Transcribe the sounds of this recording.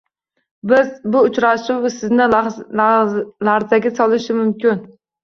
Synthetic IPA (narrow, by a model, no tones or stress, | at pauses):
bɪzbʊːt͡ʃɾaʃɪwsɪznɪ | laɾzaɡʲɛsɒlˠɪʃɪmʊmkʲɪn